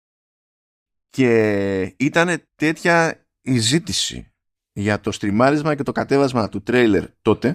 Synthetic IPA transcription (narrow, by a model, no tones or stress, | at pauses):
ce̞it̪ɐne̞t̪e̞t̪çɐ | izit̪isḭ | ʝɐt̪o̞st̪ɾimɐɾizmɐce̞t̪o̞kɐt̪e̞vɐzmɐt̪ut̪ɾejle̞̰ɾt̪o̞t̪e̞